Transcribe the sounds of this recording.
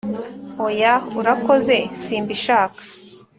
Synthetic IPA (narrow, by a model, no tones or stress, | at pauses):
ojauɾako̞ze̞siːmbiʃaːkḁ